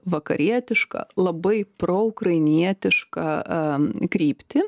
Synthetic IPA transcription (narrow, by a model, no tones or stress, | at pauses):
ʋɐkɐ̰ɾʲiɛt̪ʲɪʃkɐ̰lˠɐbɐɪpɾoːʊkrɐɪnʲiɛt̪ʲɪʃkɐ̰ | kɾʲiːpʲt̪ʲɪ